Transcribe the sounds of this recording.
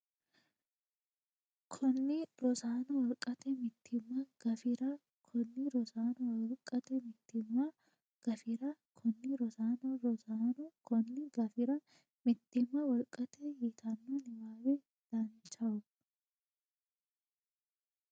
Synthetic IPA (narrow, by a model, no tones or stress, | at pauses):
kʰɔnːɪɾɔsaːnɔwɔlkʼːɐt̪ɛmɪt̪ʰːɪmːɐɡ̥ɐfɪɾa | kʰɔnːɪɾɔsaːnɔwɔlkʼɐt̪ɛmɪt̪ːɪmːa | ɡ̥ɐfɪɾakʰɔnːɪɾɔsaːnɔɾɔsaːnɔkɔnːɪɡɐfɪɾɐ | mɪt̪ːɪmːɐwɔlkʼɐt̪ɛjit̪ʰanːonɪmaːweː | d̪̥aːnt͡ʃɐʊ